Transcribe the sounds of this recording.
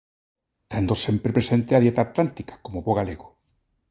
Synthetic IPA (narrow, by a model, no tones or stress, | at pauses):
t̪and̪osempɾepɾesent̪eaðjet̪aːt̪lant̪ikḁkomoβoɣaleɣo